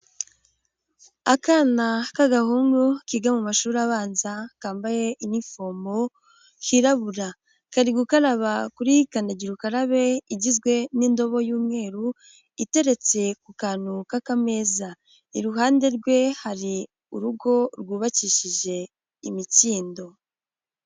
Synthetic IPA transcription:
akanakaɡahuːnɡukiɡamumaʃuːɾaβaːnzakaːmbaje̞ʔinifo̞ːmbo̞ | kʰiɾaβuɾa | kaɾiɡukaɾaβakuɾikandaɟiɾukaɾaβe̞iɟizɡwe̞niːndo̞βo̞juːmŋe̞ːɾu | ite̞ɾe̞t͡se̞kukaːnukakame̞ːza | iɾuɦaːnde̞ɾɡwe̞haɾi | uɾuɡo̞ɾɡuːβaciʃiʒe̞ | imiciːndo̞

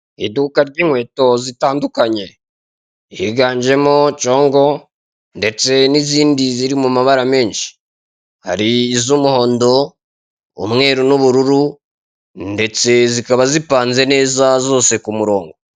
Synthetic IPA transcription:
ḭdukaɾɟiːŋhwe̞ːto̞zitaːndukaɲe̞ | hiɡaːɲd͡ʒe̞mo̞t͡ʃo̞ːŋɡo̞ | nde̞t͡se̞niziːndiziɾimumaβaɾame̞ːnʃi̥ | ha̰ɾiːzumuho̞ːndo̞ | ṵmŋe̞ːɾunuβuɾuɾu | nde̞t͡se̞zikaβazipaːnze̞ne̞ːzazo̞ːse̞kumuɾo̞ːŋɡo̞

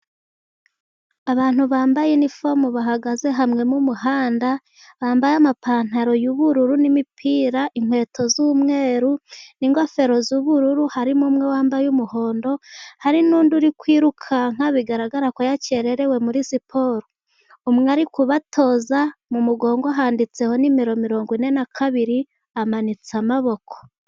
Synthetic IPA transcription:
aβaːn̥huβaːmbajenifomuβaɦaɡaze̞ɦamŋe̞mumuɦaːnda | βaːmbajamapaːn̥aɾo̞juβuɾuɾunimipʰiːɾaʔiŋ̥hwe̞ːto̞zuːmŋe̞ːɾuniŋɡofe̞ɾo̞zuːβuɾuɾuhaɾimumŋe̞waːmbajumuho̞ːndo̞haɾinuːnduɾikwiːɾukʰaŋ̥aβiɡaɾaɡaɾakojace̞ɾe̞ɾe̞we̞muɾisipʰo̞ːɾo | umŋaɾikuβatʰo̞ːzamumuɡo̞ːŋɡoaɦaːndit͡se̞ho̞nimiɾo̞miɾo̞ːŋɡwine̞nakʰaβiɾi | amanit͡samaβo̞kʰo̥

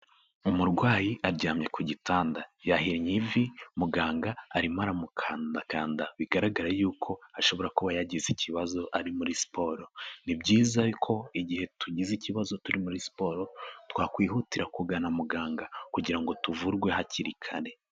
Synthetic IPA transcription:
umuɾɡwaːjiʔaɾɟaːmɲe̞kuɟitʰaːndajahiɾɲivimuɡaːŋɡaːɾimaɾamukʰaːndakaːndaβiɡaɾaɡaɾajuːkʰo̞aʃo̞βo̞ɾakuβajaɟiziciβazo̞ʔaɾimuɾispoɾo̞nibɟiːzaβikʰo̞iɟihe̞tʰuɟiziciβazo̞tuɾimuɾisi̥po̞ɾo̞twaːkwiːhutiɾakuɡanamuɡaːŋɡakuɟiɾaŋɡo̞tuvuɾɡwe̞haciɾikʰaɾe̞

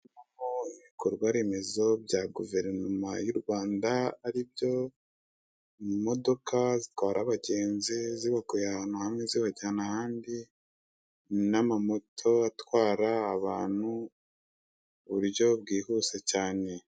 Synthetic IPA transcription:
mamoiβikʰoɾɡwaɾemezo̞bjaɡuve̞ɾnumajuɾɡwaːndaːɾibjo̞ | mo̞do̞kʰazitwaːɾʔaβaɟe̞ːnziziβakujahaːn̥huhamŋeziβaɟaanahaːndi | namamotʰo̞atwaːɾaːβaːn̥hu | uβuɾjo̞bɡiːhuse̞caːne̞

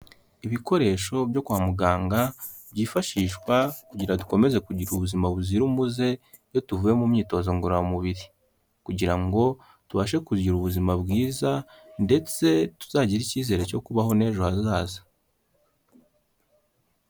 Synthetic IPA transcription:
iβiko̞ɾe̞ːʃo̞bjo̞kwamuɡaːŋɡa | bɟiːfaʃiːʃkwakuɟiɾadu̥ko̞me̞ze̞kuɟiɾuβuzimaβuziɾumuze̞ | jo̞tuvuje̞mumɲiːto̞zoŋɡoɾamuβiɾi | kuɟiɾaŋɡo̞ | tuβaʃ̬e̞kuiɾuβuzimabɡiːza | nde̞t͡se̞tu̥z̥aːɟiɾiciːze̞ɾe̞co̞kuβaɦo̞ne̞ːʒohazaːzḁ

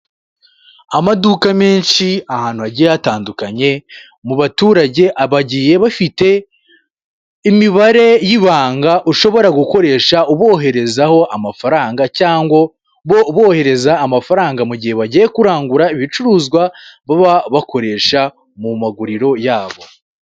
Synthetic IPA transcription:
amadukameːnʃiahaːnhuaɟijataːndukaɲe̞ | muβatuːɾaɟe̞ʔaβaɟiːje̞βafite̞ | imiβaɾe̞jiβaːŋɡaʔuʃo̞βo̞ɾaɡuko̞ɾe̞ːʃauβo̞ːɦe̞ɾe̞zaho̞ʔamafaɾaːŋɡacaːŋɡwo | βoβo̞ːhe̞ɾe̞zaːmafaɾaːŋɡamuɟihe̞βaɟije̞kuɾaːŋɡuɾaiβit͡ʃuɾuːzɡwaβaβaβako̞ɾe̞ːʃa | mumaɡuɾiɾo̞jaːβo̞

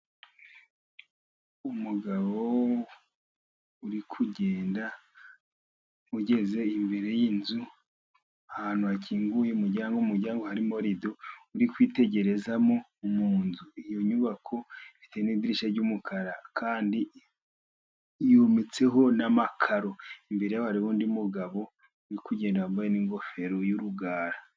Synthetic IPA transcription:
umuɡaβo | uɾikʰuɟe̞ːnda | uɟe̞ze̞imbe̞ɾe̞jinzu | ahaːn̥huaciːŋɡujeumuɾɟaːŋɡoumuɾɟaːŋɡo̞haɾimo̞ɾido̞uɾikwiːte̞ɟe̞ɾe̞zamo | umuːnzuijo̞ɲuβakʰo̞itenidiɾiʃaɾɟumukʰaɾakʰaːndi | juːmit͡se̞ɦo̞namakʰaɾo̞imbe̞ɾe̞jaβaɾiβoːndimuɡaβo̞ | uɾikuɟe̞ːndawambajeniːŋɡo̞fe̞ɾo̞juɾuɡaːɾa

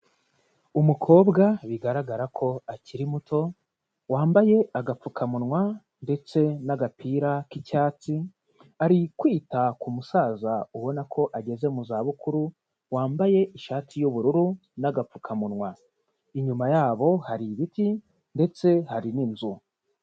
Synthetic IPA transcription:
umukʰo̞ːbɡaβiɡaɾaɡaɾakʰo̞aciɾimutʰo̞ | waːmbaje̞ʔaɡap͡fukʰamunŋwa | nde̞t͡se̞naɡapʰiːɾakicaːt͡si | aɾikwiːtakumusaːzauβo̞nakʰo̞ʔaɟe̞ze̞muzaβukuɾu | waːmbaje̞ʔiʃaːtʰijuβuɾuɾu | naɡap͡fukʰamunŋwa | iɲumajaːβo̞haɾiβiti | nde̞t͡se̞haɾininzu

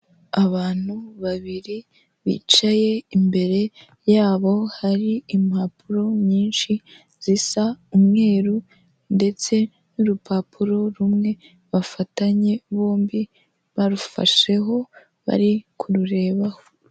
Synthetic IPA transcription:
aβaːn̥uβaβiɾi | βḭːt͡ʃaje̞imbe̞ɾe̞ | jaːβo̞haɾiimapuɾo̞ɲɲiːnʃi | z̥isaumŋe̞ːɾu | nde̞t͡se̞ | nuɾupapʰuɾo̞ɾumŋe̞ | βafataɲe̞βo̞ːmbi | βaɾufa̰ʃe̞ɦo̞ | βa̰ɾikʰuɾuɾe̞ːβaho

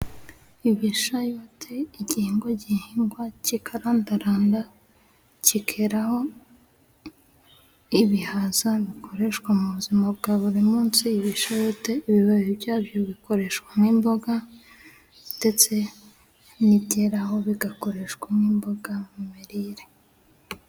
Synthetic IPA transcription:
iβiʃajoːtʰeiɟihiːŋɡoɟihiːŋɡwacikʰaɾaːndaɾaːnda | cikʰeɾaho̞ | iβihazaβikʰo̞ɾe̞ʃkwamuβuzimabɡaːβuɾimuːnsiːβiʃajo̞te̞iβiβaβibjaːβjo̞βiko̞ɾe̞ʃkwamŋiːmbo̞ɡa | nd̥e̞t͡se̞ | niteɾaho̞βiɡako̞ɾe̞ʃwamiːmbo̞ɡamimiɾiɾe

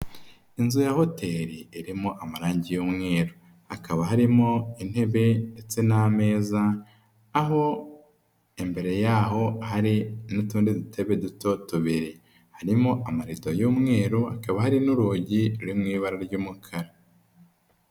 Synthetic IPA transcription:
inzujaho̞tʰe̞ɾiːɾimoʔamaɾaːɲɟijumŋe̞ːɾu | hakʰaβaɦaɾimo̞in̥he̞βe̞ndet͡se̞name̞ːzaː | ɦo̞ | embe̞ɾe̞jaːɦo̞haɾinutuːndedutʰe̞βeduto̞tuβiɾi | haɾimoʔamaɾitojuːmŋe̞ːɾuhakaβahaɾinuɾuːɟiɾuɾimŋiːβaɾaɾɟuːmukʰaɾa

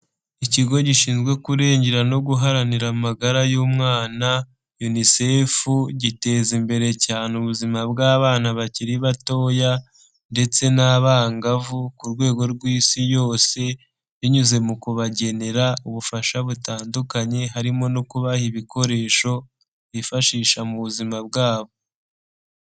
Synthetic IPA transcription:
iciɡo̞ɟiʃiːnzɡwe̞kuɾe̞ːɲɟe̞ɾano̞ɡuɦaɾaniɾaumaɡaɾajuːmŋaːna | junise̞ːfuɟite̞zimbe̞ɾe̞caːneuβuzimab̚ɡaːβaːnaβaciɾiβato̞ːja | nde̞t͡se̞naːβaːŋɡavukuɾɡwe̞ːɡo̞ɾɡwiːsijo̞ːse̞ | βiɲuze̞mukuβaɟe̞ne̞ɾauβufaʃaβutaːndukaɲe̞ɦaɾimo̞nokuβahiβiko̞ɾe̞ːʃo̞ | βifaʃiːʃamuβuzimab̚ɡaːβo

